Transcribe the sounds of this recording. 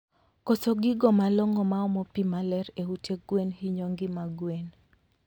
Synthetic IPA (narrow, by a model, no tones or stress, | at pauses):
kosoɡɪɡɔmalɔŋɔmaɔmɔpimalɛɾeuteɡwenhiɲoŋɡɪmaɡwen